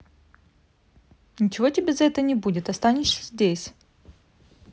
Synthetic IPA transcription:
nʲɪt͡ɕɪvo̞tʲɪbʲezɐɛt̪ənʲɪbudʲɪt̪ɐst̪anʲɪʂsʲəzʲdʲesʲ

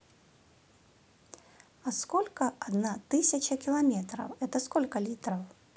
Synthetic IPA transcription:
askɔlʲkɐad̪nat̪ɨsʲɐt͡ʃɐkʲilˠamʲɛt̪ɾɐ̰wɛt̪ɐskɔlʲkɐlʲit̪ɾɐw

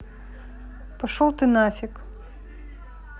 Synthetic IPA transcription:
pɐʂɔwˠt̪ɨnafʲik

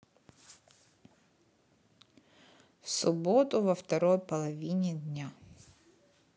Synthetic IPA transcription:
fsʊbot̪ʊvɐft̪ɐɾojpɐlˠɐvʲinʲɪd̪ʲnʲa

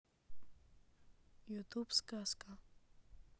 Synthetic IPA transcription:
jut̪upskaska

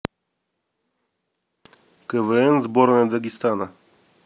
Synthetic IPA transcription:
kɛvəɛnzbɔɾnɛd̪aɡʲist̪ana

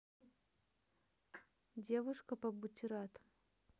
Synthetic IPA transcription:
dʲevʊʂkəpɐbutʲiɾat̪

